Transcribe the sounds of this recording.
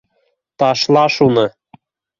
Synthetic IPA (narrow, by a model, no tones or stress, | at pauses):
t̪ɑʃlɑʃunɤ̆